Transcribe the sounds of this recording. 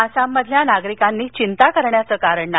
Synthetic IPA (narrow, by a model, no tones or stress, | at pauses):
əsamːəd̪ʱljanaɡɾikanːiːt͡ɕint̪akəɾɳjat͡səːkaɾəɳna